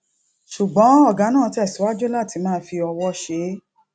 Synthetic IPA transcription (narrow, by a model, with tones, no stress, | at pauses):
ʃu˨ɡ͡bɔ̃˨˦ɔ˦˨ɡã˨˦nã˦˨˧ti˧˦ɛ˦˨si˨˦wa˦d͡ʒo˦la˦˨ti˨˧˦mãː˦˨˦fi˧ɔ˧wɔ˦ʃe˨˦